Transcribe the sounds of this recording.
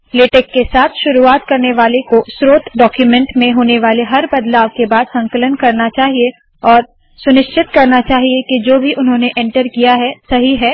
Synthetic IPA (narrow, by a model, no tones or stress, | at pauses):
leːʈeːkːesaːt̪ʰʃʊɾuaːt̪kɐɾneʋaːlekosɾoːt̪ʰɖɔːkjumɛ̃ɳʈmẽɦoːneʋaːleɦɐɾbɐd̪laːʋkebaːd̪sɐ̃ŋkələnkɐɾnat͡ʃaːɦie | ɔːɾ | sʊnɪʃt͡ʃɪt̪kɐɾnat͡ʃaːɦiekid͡ʒoːbʱiʔʊnɦõːneʔɛ̃ɳʈəɾkijaɦɛsɐɦiɦɛː